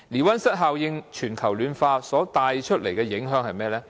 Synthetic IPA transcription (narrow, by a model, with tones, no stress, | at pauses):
liː˨˩wɐ˥nsɐ˥t̚ɦaː˨˧wjɪ˧ŋt͡ʃʰyː˨˩nkʰɐ˨˩wlyː˨˧nfaː˧sɔː˨˥t̪aː˨˧jt͡ʃʰɵ˥t̚le˨˩jkɛː˧jɪ˨˥ŋɦœː˨˥ŋhɐ˨jmɛː˥lɛː˥